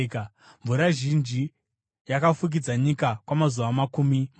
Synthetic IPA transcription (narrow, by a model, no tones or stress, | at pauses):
ka | ɱvuɾaʒind͡ʒi | jakafuk̬id͡zaɲikakwamazuʋamakuːmi